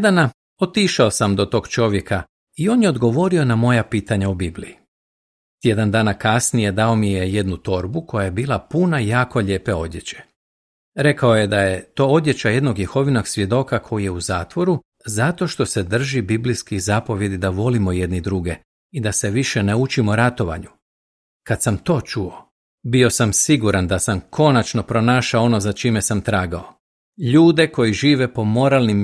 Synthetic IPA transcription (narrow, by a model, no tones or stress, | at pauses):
d̪ana | o̞t̪iʃaosamd̪o̞t̪o̞ːɡt͡ʃo̞ʋje̞kʰa | io̞ːnjeod̪ɡo̞ʋo̞ɾio̞namo̞japiːt̪aɲaubiblḭji | t̪je̞d̪and̪aːnakasnije̞d̪ao̞mije̞jed̪nut̪o̞ɾbukʰo̞jaje̞biːlˠapunajaːko̞ʎe̞ːpe̞o̞d̪je̞t͡ɕe̥ | ɾe̞kao̞je̞d̪aje̞t̪o̞ːo̞d̪ʲje̞t͡ɕaje̞d̪noɡjexo̞ʋino̞ɡsʋʲje̞d̪o̞kakʰo̞jije̞uzaːt̪ʋo̞ɾu | zat̪o̞ʃt̪o̞se̞d̪r̩ʒibiblijskizapo̞ʋje̞d̪id̪aʋo̞limo̞jed̪nid̪ɾuɡe̞ | id̪ase̞ʋiʃe̞neut͡ʃimoɾat̪o̞ʋa̰ɲu | kad̪t̪samt̪o̞ːt͡ʃuo̞ | bio̞samsiɡuɾand̪asamkʰo̞nat͡ʃno̞pɾo̞naːʃaoo̞no̞zat͡ʃiːme̞samt̪ɾaːɡao̞ | ʎuːd̪e̞ko̞jiʒiːʋe̞po̞mo̞ɾalnim